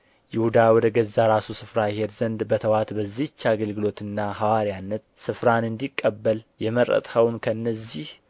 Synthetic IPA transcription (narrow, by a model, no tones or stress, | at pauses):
jɪhud̪awɔd̪əɡəzːaɾasusɨfɾajhed̪zənd̪bət̪ʰəwat̪bəzːit͡ʃːaaɡəlɡɨlo̞t̪ɨnːaɦawaɾianːət̪sɨfɾanɨnd̪ikʼːəbːəljɛməɾə̰t̪ʼhəwnkʰəɨnːəzːih